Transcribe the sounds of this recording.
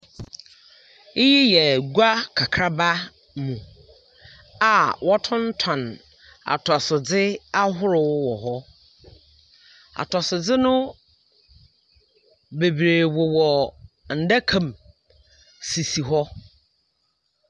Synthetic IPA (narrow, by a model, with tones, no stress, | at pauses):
ɪ˦ji˦jɛ˨ɡa˦kʰa˨kʰɾa˦ba˦ | mũ˨ | a˨wɔ˦tʰʊ̃˦n̩˦tʰã˨n | a̰˨tʰɔ˨sʊ˨d͡zɪ˦a˦ɦʊ˦ɾʊ˨wwɔ˨ɦɔ˦ | a̰˨tʰɔ˨sɪ˨d͡zɪ˦nʊ̃˦ | be˨bɾeː˨wo˨wɔ˨ | n̩˨da˦kʰã˨m | si˨si˨ɦɔ˦